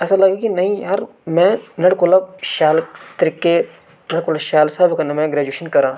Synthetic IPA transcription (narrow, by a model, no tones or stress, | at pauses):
ɛːsalɐɡekinɐɦĩjaːɾ | mɛ̃ːnɐɽkʊlɐb̚ʃaːlt̪ɐɾikːe | nɐɽkʊlɐʃaːlsaːbkɐnɐmɛ̃ːɡɾeːd͡ʒuːʃənkɐɾãː